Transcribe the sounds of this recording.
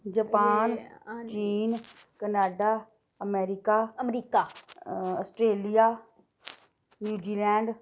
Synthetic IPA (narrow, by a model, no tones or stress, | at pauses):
d͡ʒɐpaːnt͡ʃiːn | kənaːɖaː | əmeːɾikaːɐmɾiːkaːəsʈɾeːlijaː | njuːd͡ʒiːlɛ̃ːɳɖ